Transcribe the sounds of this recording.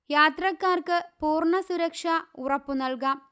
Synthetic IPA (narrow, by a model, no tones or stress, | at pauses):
jaːt̪rɐkːaːrkɨpuːrɳɐsuɾɐkʂaurɐpːunɐlkaːm